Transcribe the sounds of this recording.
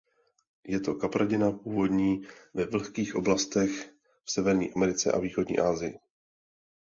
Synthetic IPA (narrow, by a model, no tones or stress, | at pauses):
jɛt̪o̞kapɾaɟɪnapuːvo̞dɲiːvɛvl̩xkiːxʔo̞̰blast̪ɛx | fsɛvɛɾɲḭːʔamɛɾɪt͡sɛ̰ʔa̰viːxo̞dɲḭːʔaːzɪjɪ